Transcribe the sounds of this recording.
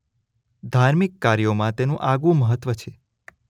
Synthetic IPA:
d̪ʱaɾmikːaɾjomãt̪enũʔaɡũməɦət̪ːʋət͡ʃʰe

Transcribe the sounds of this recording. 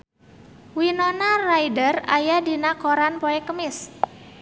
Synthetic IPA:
winonarajdərajadinakoɾanpoɛkəmɪs

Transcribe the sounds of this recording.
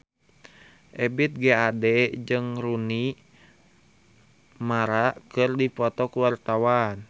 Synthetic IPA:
ʔɛbit̪̚ɡɛadɛd͡ʒɨŋruni | maɾakɨrdipɔt̪ɔkuwart̪awan

